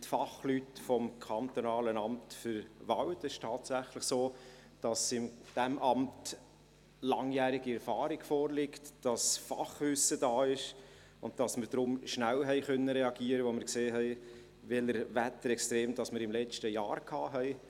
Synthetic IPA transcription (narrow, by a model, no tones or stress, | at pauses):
tfɑχlytfɔmkʰɑntonɑːlənɑmtfʏɾvɑwtɛʃtʰɑːtsæχlɪχsoː | d̥ɑsɪmd̥æmʔɑmt | lɑŋjæːɾɪɡiɛɾfɑːɾɪɡfɔːɾlɪktd̥ɑsfɑ̰χʋʏsəd̥ɑːɪʃ | ʊnd̚d̥ɑsməɾdɾʊmʃnæwɦɛɪχœnːəɾɛɑɡ̥iːəɾəʋoməɾkseːɦɛɪ | vɛləɾvæt̪əɾɛkstɾeːmd̥ɑsməɾɪmlɛt͡ʃtəjɑ̰ːɾkʰɑːɦɛɪ